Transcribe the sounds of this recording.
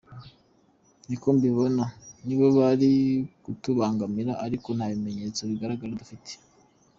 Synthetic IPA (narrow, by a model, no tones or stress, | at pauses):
nikombiβo̞naniβoβaɾikutuβaːŋɡamiɾaʔaɾiko̞n̥haβime̞ɲe̞t͡so̞βiɡaɾaɡaɾadufitʰe̥